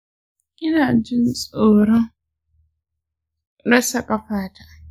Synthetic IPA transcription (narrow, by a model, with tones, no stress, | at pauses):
ʔɪ˦naː˨d͡ʒɪ˦nsʼoː˨ɽɔ˦ŋ | ɾɐ˦sɐ˨kʼa˨ɸaː˦ta˨